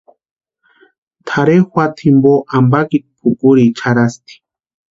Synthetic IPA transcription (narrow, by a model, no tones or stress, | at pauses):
t̪ʰaɾexʷwat̪ʰimboʔambakit̪̚pʰukuɾit͡ʃʰaɾast̪i̥